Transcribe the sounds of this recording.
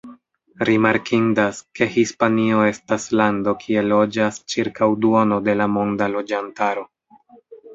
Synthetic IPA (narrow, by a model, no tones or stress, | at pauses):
ɾimaɾkʰindaske̞hispanio̞e̞staslando̞kʰie̞lo̞d͡ʒast͡ʃiɾkawduono̞de̞lamo̞ndalo̞d͡ʒantaɾo̞